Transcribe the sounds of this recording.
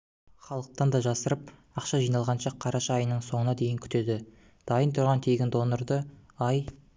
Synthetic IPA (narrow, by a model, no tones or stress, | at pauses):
χɑlˠəq̚t̪ɑnd̪ɑʒɑsəɾəp̚ | ɑqʃɑʒijnɑlˠʁɑnʃɑqʰɑɾɑʃɑjənəɴso̞ɴənɑd̪e̞jɪŋkʲʰʏ̥t̪e̞d̪ɪ | d̪̥ɑjənt̪ʰʊɾʁɑnt̪ʰe̞ɡʲɪnd̪o̞noɾd̪əɑj